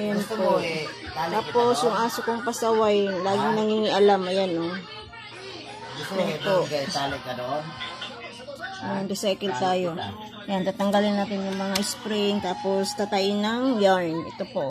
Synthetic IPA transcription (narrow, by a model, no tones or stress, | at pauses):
jʊnpoʔt̪aːpo̞sjʊŋʔaːsokoŋpɐsɐwajlaːɡɪŋnɐŋhiŋɪʔɐlamɐjano | topoɡɐɪt̪aːlɪkːɐd̪oʔon | mɐnd̪ʊsɛkɛlt̪aːjo̞ | jant̪aːt̪ɐŋɡalɪnːaːt̪ɪnjʊŋmɐŋaʔɪspɾɪŋt̪aːpo̞st̪at̪ɐʔɪnɐŋjaɹnʔɛ̰t̪opo̞ʔ